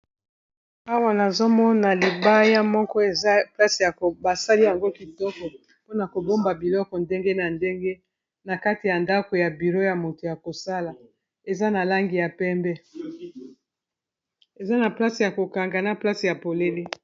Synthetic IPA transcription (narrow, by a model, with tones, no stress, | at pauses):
a˦wa˦na˨zo˦mɔ˦na˨li˨ba˦ja˦mɔ˦kɔ˦e˨za˦pla˦si˨ja˨ko˨ba˨sa˦li˦ja˨ŋɡo˦ki˨tɔ˦kɔ˨ | po˦na˨ko˨bo˦mba˨bi˨lɔ˦kɔ˨nde˦ŋɡe˦na˨nde˦ŋɡe˦ | na˨ka˦ti˨ja˨nda˦ko˨ja˨bi˨ʁo˦ja˨mo˨to˨ja˨ko˨sa˦la˨ | e˨za˦na˨la˦ŋɡi˨ja˨pɛ˦mbɛ˦ | e˨za˦na˨pla˦si˨ja˨ko˨ka˨ŋɡa˨na˦pla˦si˨ja˨po˨le˦le˦